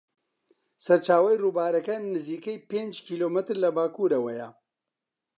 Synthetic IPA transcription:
sɐɾt͡ʃaːwɐjruːbaːɾɐkɐnɨziːkɐjpeːnd͡ʒkʰiːloːmɨt̪ɾlɐbaːkuːɾɐwɐjɐ

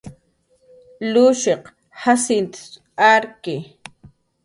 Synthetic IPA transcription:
lʊʃeq | hasɪnt̪ḁs | aɾkɪ

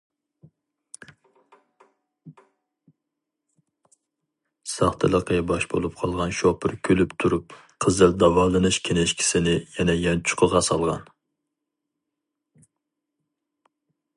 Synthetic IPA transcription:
sɑχt̪ʰɨlˠəqʰəbɑʃbolˠup̚qʰɑlˠʁɑnʃopʰɪɾkʲʰølypt̪ʰuɾup | qʰəzɨld̪ɑvɑlˠɨnɨʃkʲʰenɛʃkʲʰi̥sɪnɪjɛnɛjɑnt͡ʃʰʊ̥qʰəʁɑsɑlˠʁɑ̰n

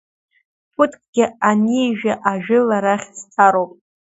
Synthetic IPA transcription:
pʰʊtʰʼkʼɡʲɪanijʒᶣaʔaʒᶣɪlaɾaχʲzt͡sʰaɾowpʼ

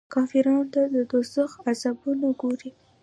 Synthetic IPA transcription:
kɑfɪɾɑnt̪ad̪əd̪osəxazabunaɡoɾi

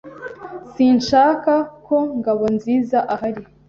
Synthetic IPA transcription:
siːnʃaːkako̞ŋɡaβo̞nziːzaʔaɦaɾi

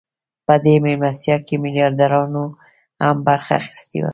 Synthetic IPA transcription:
pəd̪emɪmasjakemɪlijɑɾd̪aɾɑno | hambaɾxaːxɪ̥st̪ḛwa̰

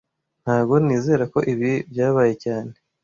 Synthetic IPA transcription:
n̥haːbɡo̞niːze̞ːɾako̞ʔiβibjaːβaːje̞caːne

